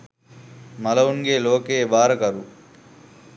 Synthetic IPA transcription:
mɐlɐuŋɡeːloːkeːbaːɾɐkɐɾu

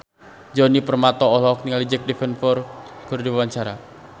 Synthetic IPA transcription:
d͡ʒɔnipərmat̪ɔɔlɔk̚niŋalid͡ʒɛk̚dɛfɛnfɔrkurdiwawaɲt͡ʃaɾa

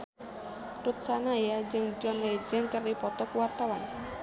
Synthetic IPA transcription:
rut̪sanajad͡ʒɨŋd͡ʒɔned͡ʒənkəripɔt̪ɔkwart̪awan

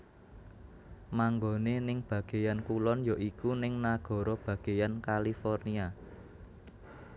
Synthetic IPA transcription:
maŋɡonenɪŋb̥ä̤ɡ̥e̤jankulɔnjoʔikunɪŋnaɡ̥ɔ̤ɾɔb̥ä̤ɡ̥e̤jankalifɔrnia

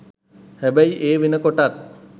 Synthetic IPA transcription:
hɛbæjiʔeːʋinəkoʈat̪̚

